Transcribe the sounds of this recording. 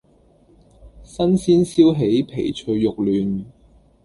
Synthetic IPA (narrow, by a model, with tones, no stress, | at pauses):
sɐ˥nsiː˥nsiː˥wɦe˨˥jpʰe˨˩jt͡ʃʰɵ˧ɥːʊ˨k̚lyː˨n